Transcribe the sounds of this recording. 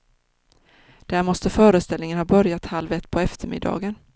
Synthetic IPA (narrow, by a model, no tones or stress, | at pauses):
d̪̥æːɾmɔst̪əfœːɾəst̪ɛlnɪŋənhɑːbœɾjat̪halvɛt̪ːpʰɔɛft̪əɾmɪ̰d̪ːɑ̰ːɡən